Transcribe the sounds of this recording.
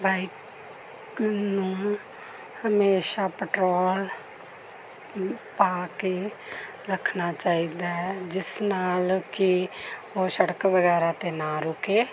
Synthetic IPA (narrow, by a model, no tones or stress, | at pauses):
baːik | nũ | həmeːʃapəʈɾoːl | paːke | ɾəkʰnat͡ʃaːid̪aɦɛd͡ʒɪsnaːlki | osəɽəkʋəɣɛːɾat̪enaːɾʊkeː